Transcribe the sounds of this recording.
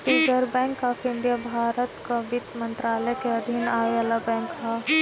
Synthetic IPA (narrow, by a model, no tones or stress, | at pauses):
ʈiːd͡ʒəɾbɛ̃ːŋkafɪ̃nd̪ijabʱaːɾət̪kaʋɪt̪mənt̪ɾaːləɛkeɐd̪ʱinaːʋjalabɛ̃ːŋkɦa